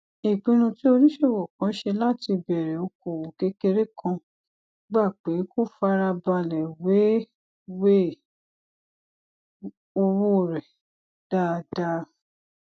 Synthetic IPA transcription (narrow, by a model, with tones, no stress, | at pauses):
e˨k͡pĩ˧nũ˧ti˦o˧ɾĩ˦ʃe˦˨wɔ˨kã˨˦ʃe˧la˦ti˧bɛ˨ɾɛ˨o˧ko˨wo˨ke˦ke˧ɾe˦kʰã˧ | ɡ͡ba˦˨k͡pe˨˦ko˦˨fa˧˦ɾa˧ba˧lɛ˨we˨˦ | we˦˨ | o˧wo˦˨ɾɛ˨ | d̥a˦˧da˦